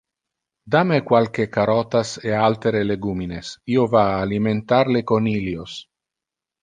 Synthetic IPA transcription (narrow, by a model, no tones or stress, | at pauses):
d̪amekwalkekaɾɔt̪asealt̪eɾeleɡuminesiovaːliment̪aɾlekoniljos